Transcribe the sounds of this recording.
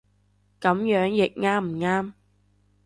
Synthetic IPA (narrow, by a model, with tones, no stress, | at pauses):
kɐ˨˥mjœː˨˥ŋjɪ˨k̚ŋaː˥m̩˨˩ŋaː˥m